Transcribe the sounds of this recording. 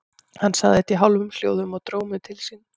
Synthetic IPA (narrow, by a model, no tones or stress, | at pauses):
hanːsa̰ɣðɪɛt̪iɦawlvʏmsl̥jo̰ːwðʏmɔɣt̪ɾoːwmʏt̪ʰɪlsin